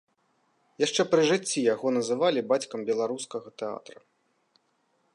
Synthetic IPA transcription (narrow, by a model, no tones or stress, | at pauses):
jaʂt͡ʂɛpɾɨʐɨt͡sʲːijaɣɔnɐzɨvalʲibat͡sʲkɐmbʲɛlˠaɾuskɐɣɐt̪ɛa̰t̪ɾɐ